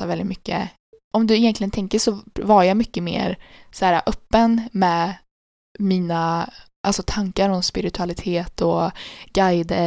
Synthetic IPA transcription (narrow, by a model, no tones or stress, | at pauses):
avɛld̪ɪt̪mʏkːə̰ | ʔɔmd̪ɵɪjɛnt̪lɪɡənt̪ʰɛŋkəʂɔvaɾjamʏkːəmḛːɾsæːɾa̰ʔœpːənmɛːd | miːnaʔalsɔt̪ʰaŋkaɾɔmspɪɾɪt̪ʰɵalɪt̪ʰeːt̪ʰɔɡ̥ajd̪ə